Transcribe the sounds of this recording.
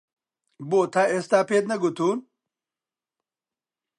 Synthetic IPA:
boːt̪ʰaest̪aːpet̪nɐɡut̪ʰuːn

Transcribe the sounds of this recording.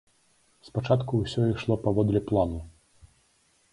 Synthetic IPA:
spat͡ʂat̪kuwsʲɔiʂlˠɔpavɔd̪lʲɛplˠanu

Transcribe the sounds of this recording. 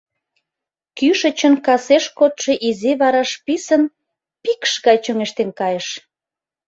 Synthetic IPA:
kyʃə̆t͡ɕənkɑseʃkot̪ʃeʔiziβɑɾɑʃpisən | pikʃɣɑjt͡ɕøŋeʃt̪enkɑjeʃ

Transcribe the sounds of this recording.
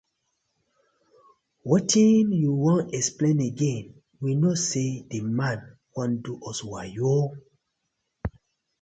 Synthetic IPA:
wɔtĩnjuwɔ̃nɛksplẽneɡẽn | winɔtsedemãn | kãnduʔɔswajo

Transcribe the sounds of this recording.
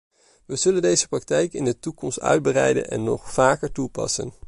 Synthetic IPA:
ʋəz̥ɵləndejzəprɑk̚tɛjkɪndətukɔmstœ̰ɥd̚bərɛ̰jdə̰nʔɛ̰nːɔχfaːkəɹtupɑ̰sə̰n

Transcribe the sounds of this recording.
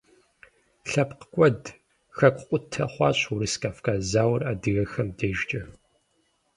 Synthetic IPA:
ɬɐpqəkʷʼɔd | xɐkʷqʷʼʊtʰɐχʷɑːɕʼuɾɨskʰʼaːfkʼaːzaːwraːdɨɣɐxɐmdeːʒt͡ʃʼɐ

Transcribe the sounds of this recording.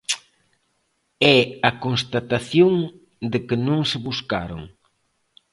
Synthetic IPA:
ɛɐkonst̪at̪aθjoŋ | d̪ɪkɪnõŋsɪβuska̰ɾo̰ŋ

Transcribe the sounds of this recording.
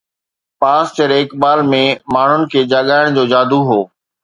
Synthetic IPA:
paːst͡ɕəɾeːkɓaːlmẽmaːɳ̤ʊnɪ̆kʰeːd͡ʑaːɠaːɪɽ̃d͡ʑoːd͡ʑaːd̪ʱuɦoː

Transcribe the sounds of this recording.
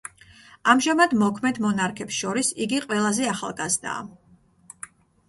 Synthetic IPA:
amʒamad̪mɔkʰmɛd̪mɔnaɾkʰɛpsʃɔɾisiɡiqʼwɛlˠazɛaχa̰lˠɡazd̪a̰ː

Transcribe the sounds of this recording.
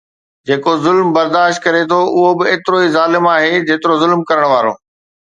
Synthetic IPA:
d͡ʑeːkozʊlmbɐɾd̪aːʃt̪̚kɐɾet̪ʰoʔʊɦobɪeːt̪ɪɾoizaːlɪmaːɦed͡ʑeːt̪ɪɾozʊlmkɐɾəɽ̃ʋaːɾo̰ː

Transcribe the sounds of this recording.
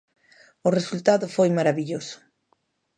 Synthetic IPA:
ʊresult̪aðʊfojmaɾaβiʎosʊ̥

